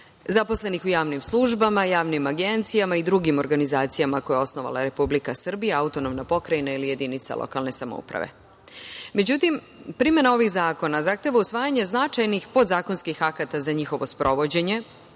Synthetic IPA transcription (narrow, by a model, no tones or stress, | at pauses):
zaposle̞nixujaːʋnimslˠuʒbamajaːʋnimaɡe̞nt̪sijamaid̪ɾuɡimo̞ɾɡanizaːt̪sijamako̞jeo̞sno̞ʋa̰lˠa̰ɾe̞publikasr̩bijaaut̪o̞no̞mnapo̞kɾainailije̞d̪init̪sa̰lʔo̰ka̰lˠne̞samo̰ṵpɾa̰ʋe̞̰ | me̞d͡ʑut̪im | pɾime̞nao̞ʋixzaːko̞nazaxt̪e̞ʋausʋaːjaɲe̞znat͡ʃajnixpo̞d̪zaːkonskixakat̪azaɲixo̞ʋo̞spɾʔo̞ʋo̞d͡ʑe̞ɲe̞